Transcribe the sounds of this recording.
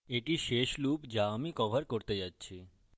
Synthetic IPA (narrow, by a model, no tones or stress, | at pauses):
eʈiʃeʃlupd͡ʑaamikɔbʱaɾkoɾt̪ed͡ʑatːɕʰi